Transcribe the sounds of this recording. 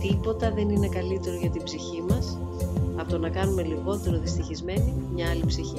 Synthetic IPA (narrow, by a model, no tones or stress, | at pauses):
t̪ipo̞t̪ɐðe̞nine̞kɐlit̪e̞ɾoʝɐt̪ibziçimɐsɐpot̪onɐkɐnume̞liɣo̞t̪e̞ɾo̞ðist̪içizme̞nimɲɐɐlipsiçi